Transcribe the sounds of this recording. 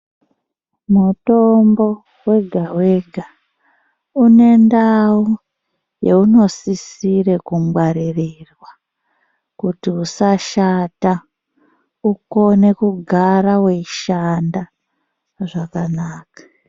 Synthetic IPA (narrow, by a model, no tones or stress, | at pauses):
muto̞mbo̞ | we̞ɡʱaweɡʱa | une̞ndau | je̞uno̞sisirekumwaɾirirwa | kutiusaʃata | uko̞ne̞kuɡʱaɾawe̞iʃanda | ʐakanaːkḁ